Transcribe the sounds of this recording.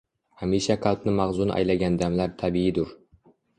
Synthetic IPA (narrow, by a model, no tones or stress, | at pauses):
hamiʃaqʰɑlˠpnɪmaʁzunʔa̰jlaɡʲand̪amlaɾt̪ʰabiɪd̪ʊɾ